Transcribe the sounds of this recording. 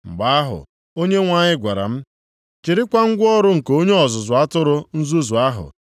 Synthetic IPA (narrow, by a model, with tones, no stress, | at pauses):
ŋ͡m̩˨ɡ͡ba˦a˦ɦʊ̰˨ | o˦ɲe˦ŋʷa˦ɲɪ˦ɡʷa˨ɾa̰˨m̩˦ | t͡ʃi˨ɾɪ˦kʷa˦ŋ̩˦ɡʷɔ˦ɾʊ˦ŋ̩˨ko˦ɲe˦ɔ˨zʊ˨zʊ˨a˦tʊ˦ɾʊ˦n̩˦zu˦zʊ˨a˦ɦʊ̰˨